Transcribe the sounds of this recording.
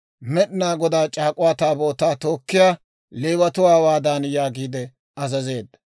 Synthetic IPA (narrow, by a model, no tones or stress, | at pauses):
mɛɗnaːɡɔd̪aːt͡ʃʼaːkʼʊwaːt̪aːbo̞ːt̪aːt̪o̞ːkːɪjaː | leːwɐt̪ʊwaːwaːd̪aːnjaːɡiːd̪ɛ | ɐzɐze̞ːd̪ːɐ̥